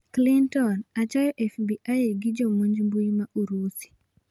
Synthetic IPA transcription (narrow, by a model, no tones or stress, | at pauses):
klintɔnat͡ʃajɔʔɛfbiʔajeɡɪd͡ʒɔmoɲd͡ʒmbuimaʔuɾusi̥